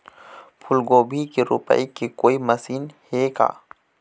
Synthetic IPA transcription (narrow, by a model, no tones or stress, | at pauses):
pʰʊlɡoːbʱikiɾʊ̰pə̰ikikoːimɐsiːnheɡa̰ː